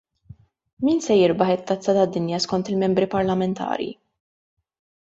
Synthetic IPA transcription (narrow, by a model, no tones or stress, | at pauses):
miːnsɛjɪɾbɐħɪt̪ːɐt͡sːɐt̪ɐd̪ːɪnjɐskɔnt̪ɪlmɛmbɾipɐɾlɐmɛnt̪ʰɐ̰ːɾjḭ